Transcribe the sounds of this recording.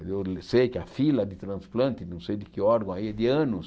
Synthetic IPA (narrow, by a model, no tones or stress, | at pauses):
ed̪ewlsejkɪɐfilɐd̪ɪt̪ɾɐ̃splɐ̃nt̪ɪnɐ̃w̃sejd̪ɪkɪɔɾɡɐ̃w̃aiɛd̪ɪɐ̃nʊs